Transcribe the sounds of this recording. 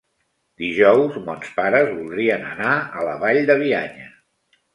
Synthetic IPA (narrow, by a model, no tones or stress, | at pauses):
d̪iʒɔwzmɔnspaɾəzβulˠd̪ɾiənənaələβaʎd̪əβ̞iaɲə